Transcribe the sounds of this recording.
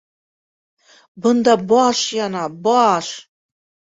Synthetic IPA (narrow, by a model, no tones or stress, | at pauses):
bɨndaboɔʂjanaboaʂ